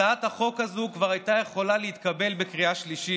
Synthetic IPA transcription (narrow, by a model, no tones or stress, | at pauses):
aat̪haχo̞khazukvaʁajt̪aje̞χo̞laleit̪kabe̞lbekʁiaʃliʃi